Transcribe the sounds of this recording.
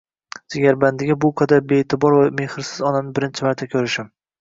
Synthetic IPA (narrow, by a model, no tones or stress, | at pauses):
d͡ʒɪɡʲaɾband̪ɪɡʲabʊqʰad̪aɾbeːt̪ʰɪbɒɾvame̞hɪɾsɪzɒnamnɪbɪɾɪnt͡ʃʰɪmaɾt̪ʰakʲʰɵɾɪʃam